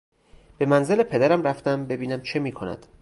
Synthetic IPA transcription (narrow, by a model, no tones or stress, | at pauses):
b̥e̞mænze̞lepʰe̞d̪æɾæmɾæft̪æmbe̞biːnæmt͡ʃʰemiːkʰo̞næ̰d̪̥